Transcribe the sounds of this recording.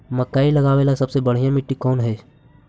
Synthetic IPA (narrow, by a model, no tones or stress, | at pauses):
məkaːilɐɡaːeːlasɐbsebəɽ̤ijãmɪʈːikɔːnɦɛː